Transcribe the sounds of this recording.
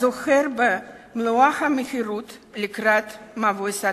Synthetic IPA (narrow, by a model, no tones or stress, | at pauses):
zoxeɾbe | mloaχamexiɾut̪likɾat̪mavosa